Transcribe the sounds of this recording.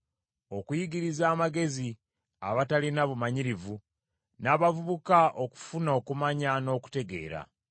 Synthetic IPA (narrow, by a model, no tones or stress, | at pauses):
o̞kujiɡiɾizaːmaɡe̞zi | a̰βatalinaβumaɲiɾivu | naβavuβukaʔo̞ku̥funo̞ːkumaɲano̞ːku̥te̞ɡe̞̰ːɾa̰